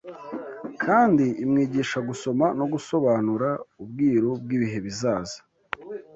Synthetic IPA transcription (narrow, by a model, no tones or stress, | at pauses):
kʰaːndiimŋiːɟiːʃaɡuso̞mano̞ɡuso̞βaːnuɾaub̚ɡiːɾob̚ɡiːβiɦe̞βizaːzḁ